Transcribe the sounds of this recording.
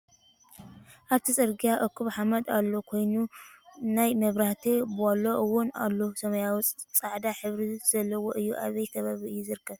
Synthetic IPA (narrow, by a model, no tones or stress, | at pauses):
ʔaβt̪ʰisʼɐɾɡijaʔokːuβħamɐd̪alːokʰo̞jnunajmɐβɾaht̪ʰibɨalːoʔɨwʊna̰lːosɐmɐjawit͡sʼt͡sʼaʕd̪aħɨβɾiz̥ɐlːɐwoʔɨjːuʔaβɐjt̪ʰɐβaβiɨjːuzɨɾɨkʰːɐβ